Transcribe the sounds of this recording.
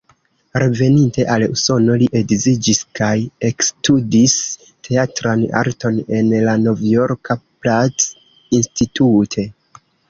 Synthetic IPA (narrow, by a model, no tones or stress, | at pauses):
ɾe̞ve̞ninte̞ʔaluso̞no̞liʔe̞ɡzid͡ʒiskaje̞kstudis | tʰe̞atɾana̰ɾto̞ne̞nlano̞vjo̞ɾkʰaplat͡s | institutʰe̞